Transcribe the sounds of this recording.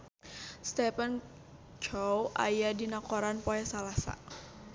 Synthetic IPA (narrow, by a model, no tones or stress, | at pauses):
st̪ɛpan | d͡ʒɔwʔa̰jadinakoɾanpoɛsalasa̰